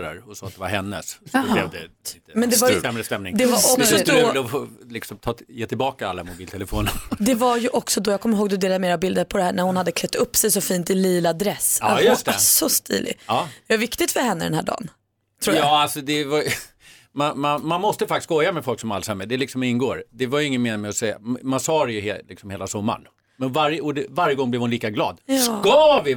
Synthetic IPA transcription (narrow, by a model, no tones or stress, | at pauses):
ɾa̰ɾɔsɔːat̪̚d̪ɛva̰ɾɦɛnːə̰sɔblɛ̰vd̪ɛ̰ɪt̪əmɛnd̪ɛvaɾsɛmɾəst̪ɛmnɪŋd̪ɛvaɔɔd̪d̪ɔflɪksɔmt̪ʰɑːjeːt̪ʰɪlbɑːkaa̰lːamʊbiːlt̪ʰɛləfoːnd̪ɛvajɵʔɔksɔd̪ɔjɑɡkʰɔmːəɾhoːɡ̚d̪ɵd̪eːlameːɾabɪld̪əɾpʰɔd̪ɛhæːɳæɾhʊnhad̪ːəkʰlɛt̪ːɵpːsɛjsɔfiːnt̪ɪliːlad̪ɾɛsajɵst̪ɛsɔst̪ḭːlʔɪ̰ɑːd̪ɛvaɾvɪkt̪ɪt̪fœɾhɛnːəd̪ɛnɦæ̰ːɖɑ̰ːn | t̪ʰɾuːɑːalsɔd̪ɛvaj | manmanmanmɔst̪əfakt̪ɪskɔjːamɛfɔlksɔma̰lsamːɛd̪ɛlɪksɔmɪnɡoːɾd̪ɛvaɾjɵɪŋːənmeːnɪmɛɔsɛja̰mansɑːɾɛjɵhlɪksɔmheːlasɔmːa̰ɳ | mɛnvaɾjəɔd̪ɛvaɾjəɡɔŋblɛvhʊnliːkaɡlɑ̰ːd̪kɑvɪ